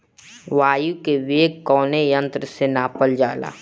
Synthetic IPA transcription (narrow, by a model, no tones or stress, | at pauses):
ʋaːjukeʋeːɡkɔːnejə̃nt̪ɾəsenaːpəld͡ʒaːla̰ː